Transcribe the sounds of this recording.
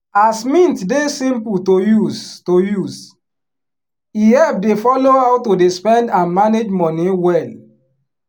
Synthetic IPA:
asmĩntdesĩmputojustojuz | iɛfdefɔloaʊtːodespɛ̃ndãnmaned͡ʒmɔ̃nĩwɛl

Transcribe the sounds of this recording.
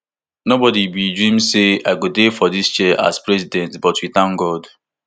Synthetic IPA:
nobɔdibidɹĩmseaɪɡodefɔdist͡ʃɛʔa̰spɹɛzidɛ̃ntbɔtwitãŋɡɔd

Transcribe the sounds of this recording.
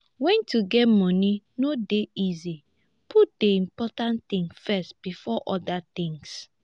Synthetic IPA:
wɛ̃ntʰuɡɛtmɔni | nodeizi | pʰut̚deĩmpɔtãnt̪ĩŋfɛstb̥ifɔʔɔdat̪ɪ̃ŋs

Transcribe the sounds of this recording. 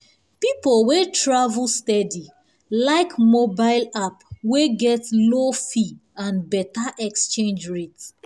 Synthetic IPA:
pipolwetɹavl̩stɛdi | laɪkmobaɪlapweɡɛtlofiãnbɛtaʔɛkst͡ʃẽnd͡ʒɹet

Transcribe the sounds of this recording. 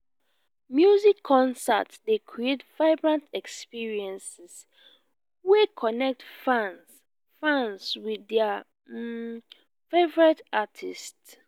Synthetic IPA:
mjuzikʰːɔ̃nsa̰tsdekʰɹietv̥aɪbɹãntɛkspiɹiɛ̃nsis | wekʰɔnɛk̚tfãns | fãnswiðɛa | fevɔɹɛtatʰist

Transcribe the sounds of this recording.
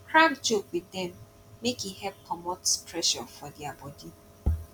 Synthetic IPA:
kʰɹãmd͡ʒokwɪdɛ̃mː | ekihɛp̚kʰɔmotspʰɹɛʃɔ̰fɔdiabɔdi

